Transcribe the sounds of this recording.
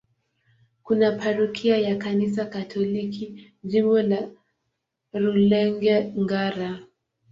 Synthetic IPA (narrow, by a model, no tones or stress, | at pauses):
kunapʰaɾukʰiajakanis̬akatʰɔliki | ʄimbɔla | ɾulɛŋɡɛŋɡaɾa